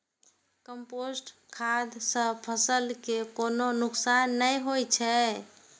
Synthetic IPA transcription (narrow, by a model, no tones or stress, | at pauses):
kəmposʈ | kʰad̪sə̃pʰəsəlkekononʊksanːəjɦojt͡ʃʰɛ